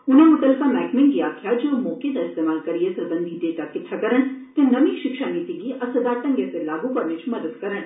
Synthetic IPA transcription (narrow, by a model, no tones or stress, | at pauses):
ʊnẽmʊt̪əlkamɛːkmɪ̃ŋkiakʰijad͡ʒomoːked̪aɪst̪eːmaːlkɐɾijesɐɾbɐ̃nd̪ʱiɖeːʈakɪʈʰːakɐɾəɳ̃t̪ẽnɐmiʃɪkʃaniːt̪iɡiʔɐsəd̪aːʈɐ̃ŋɡjeselaːɡupɐɾnet͡ʃʰmɐd̪əd̪kɐɾəɳ